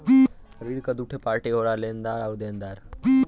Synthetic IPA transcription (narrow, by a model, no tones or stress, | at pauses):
bi | xəɾiːɾkad̪uːʈʰepaːɾʈeɦoːɽaleːnd̪aːɾawd̪eːnd̪aːɾbi